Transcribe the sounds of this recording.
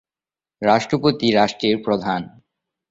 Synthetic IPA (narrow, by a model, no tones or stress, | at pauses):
ɾaʃʈɾopot̪iɾaʃʈɾiɾpɾod̪ʱan